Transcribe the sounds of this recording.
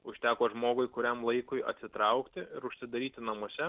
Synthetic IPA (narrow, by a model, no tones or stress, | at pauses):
ʊʃʲt̪ʲæːkoːʒmoːɡʊɪkʊɾʲɛmlˠɐɪkʊɪɐ̰t̪ʲsʲɪt̪ɾɐʊkt̪ʲɪɪɾʊʃʲsʲɪd̪ɐɾʲiːt̪ʲɪnɐmoɔsʲɛ